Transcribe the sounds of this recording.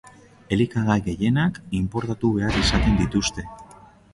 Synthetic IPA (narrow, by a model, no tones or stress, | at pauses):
e̞likaɣajɣe̞je̞nakimpo̞ɾt̪at̪uβe̞aɾisat̪e̞nd̪it̪ust̪e̞